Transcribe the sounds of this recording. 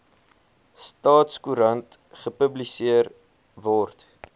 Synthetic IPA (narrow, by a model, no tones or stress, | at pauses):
stɑːtskuɾɐnt | χəpəblisiər | vɔrt